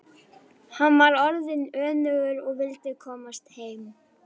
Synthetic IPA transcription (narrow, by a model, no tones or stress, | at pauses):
hanvaɾɔɾðɪnœːnʏɣʏɾɔɣvɪlt̪ɪkʰɔːmast̪heːjm